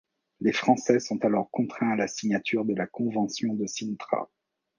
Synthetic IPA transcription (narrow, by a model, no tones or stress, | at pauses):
lefχɑ̃sɛsɔ̃t̪alɔʁkɔ̃t̪χɛ̃alasiɲat̪yʁd̪əlakɔ̃vɑ̃sjɔ̃d̪əsint̪χa̰